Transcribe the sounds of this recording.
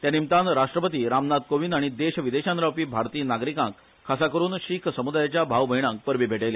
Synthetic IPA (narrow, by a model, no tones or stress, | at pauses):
t̪janimt̪ãnɾaʂʈɾəpət̪iːɾamnad̪̚koʋiːnaɽ̃id̪eɕʋid̪eɕanɾawpiːbʱaɾt̪iːnaɡɾikã̰ŋk | kʰːasakəɾuːnɕikʰsəmud̪ajat͡ɕjabʱaʋbʱəiɽ̃ãŋk̚pəɾʋiːbʱeʈele